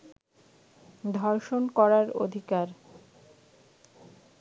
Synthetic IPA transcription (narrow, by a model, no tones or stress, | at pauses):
d̪ʱɔɾʃonkɔɾaɾo̰d̪ʱikaɾ